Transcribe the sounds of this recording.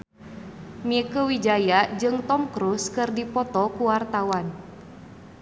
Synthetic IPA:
miəkəwid͡ʒajad͡ʒɨŋt̪ɔmkɾuskɨrdipɔt̪ɔkuwart̪awan

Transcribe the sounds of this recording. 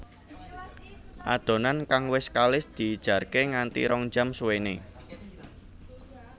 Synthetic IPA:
ʔa̰d̪̥o̤nankaŋwɪskalɪsd̪̥i̤ːd̥ʒ̥ä̤rkeŋant̪ḭɾɔŋ̥d͡ʒamsuwene

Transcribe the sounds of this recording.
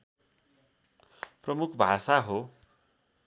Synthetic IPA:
prʌmukʰbʱasaɦo

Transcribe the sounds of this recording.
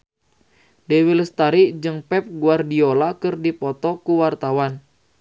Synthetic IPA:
dɛwilst̪aɾid͡ʒɨŋpɛp̚ɡuardiolakɨrdipɔt̪ɔkuwart̪awan

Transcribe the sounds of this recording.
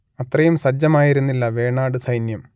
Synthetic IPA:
ɐt̪rɐjumsɐd͡ʑɐmaːjiɾunːilːɐʋe̞ːɳaːɽɨsʰɐjnjɐm

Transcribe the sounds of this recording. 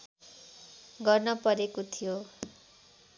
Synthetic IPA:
ɡʌrnʌpʌɾekot̪ʰijo

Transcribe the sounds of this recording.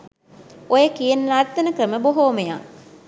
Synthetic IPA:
ojəkijenːnad̪ːɐnəkɾəməboɦoːmeja̰ŋ

